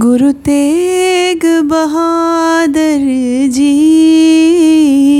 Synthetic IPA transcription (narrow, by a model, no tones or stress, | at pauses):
ɡʊɾut̪e | ɡbɐɦa | d̪əɾ | d͡ʒi